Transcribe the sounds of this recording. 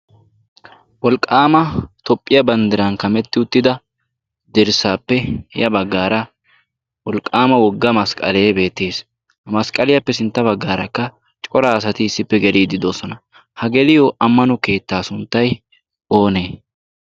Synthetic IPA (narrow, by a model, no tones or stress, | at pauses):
wɔlkʼːaːmɐt̪ɔpʼːɪjɐbɐnd̪ɪɾɐnkɐmɛt̪ːɪʊt̪ːɪd̪ɐ | d̪ɪɾsaːpːɛjɐbɐɡːaːɾɐ | wɔlkʼːaːmɐwɔɡːɐmɐskʼɐ̰le̞ːbe̞ːt̪ːe̞ːs | hɐmɐskʼɐlɪjɐpːɛsɪnt̪ːɐbɐɡːaːɾɐkːɐ | t͡ʃʼɔɾaːs̬ɐt̪ɪːsːɪpːɛɡɛliːd̪ɪd̪o̞ːsɔnɐ | hɐɡɛlɪjoʔɐmːɐnɔke̞ːt̪ːaːsʊnt̪ːɐj | o̞ːneː